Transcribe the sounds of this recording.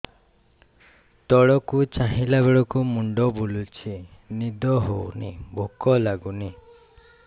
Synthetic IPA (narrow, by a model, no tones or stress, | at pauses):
t̪ɔɭɔkut͡ʃaɦilaβeɭɔkumuɳɖɔbulut͡ʃʰinid̪ɔɦownḭbʱokɔlaɡuni